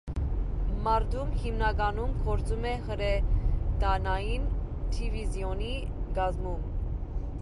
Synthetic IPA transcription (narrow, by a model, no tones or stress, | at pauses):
mɑɾd̪umhimnɑɡɑnumkʰɔɾt͡sʰumɛhəɾɛd̪ɑnɑjint̪ʰivizjɔni | ɡɑzmum